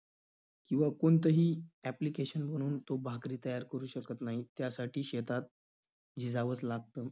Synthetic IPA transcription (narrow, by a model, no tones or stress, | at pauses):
kĩw̃ʋakoɳt̪əɦiːæplikeɕənm̤əɽ̃uːnt̪obʱakɾiːt̪əjaɾkəɾuːɕəkət̪naɦit̪jasaʈʰiːɕet̪at̪̚ | d͡ʑid͡zaʋət͡slaɡ̚t̪əː